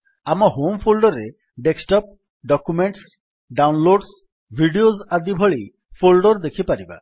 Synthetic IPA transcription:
amɔɦompʰolɖɔɾe | ɖeksʈɔp̚ | ɖɔkumeɳʈs | ɖawnloɖs | bʱiɖiozad̪ibʱɔɭij | pʰolɖɔɾd̪ekʰipaɾiba̰

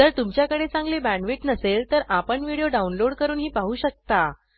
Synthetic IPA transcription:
d͡zəɾt̪umt͡ɕjakəɽet͡sãŋɡlebæɳʋiʈnəselt̪əɾʔapəɳʋiɽijoɖaunloɽkəɾuːnɦiːpaɦuːɕək̚t̪a

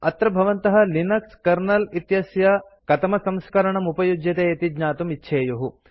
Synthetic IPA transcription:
ɐt̪ɾɐbʱɐʋɐnt̪ɐɦɐ̆linɐkskɐɾnɐlit̪jɐsjɐ | kɐt̪ɐmɐsɐmskɐɾɐɳɐmupɐjud͡ʒjɐt̪eːɐt̪id͡ʒɲaːt̪umitːʃʰeːjuɦu

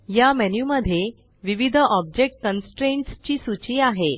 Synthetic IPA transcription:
jamɛnjuməd̪ʱje | ʋiʋid̪ʱəʔɔb̚d͡ʑek̚ʈ̚kənsʈɾẽɳʈst͡ɕiːsut͡ɕiːaɦe

